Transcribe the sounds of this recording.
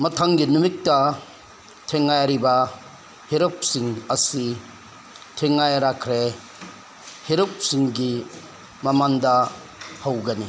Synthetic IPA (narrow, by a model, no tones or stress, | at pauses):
mɐtʰaŋɡinumik̚tɐ | tʰeŋːajɾibɐ | hiɾɯp̚siŋɐsi | tʰeŋːajɾakʰɾe | hiɾɯp̚siŋɡi | mamandɐ | hawɡɐni